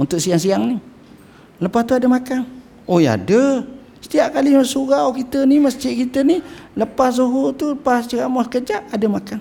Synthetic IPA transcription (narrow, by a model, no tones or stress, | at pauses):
unt̪ʊʔsiaŋsiaŋni | ləpast̪uadəmakan | oja̰də | sə̥t̪iaʔkalimsuɣawkit̪əniməst͡ʃɪʔkit̪əniləpassoɦot̪uləpast͡ʃəkaʔmasəkəd͡ʒaʔadəmakan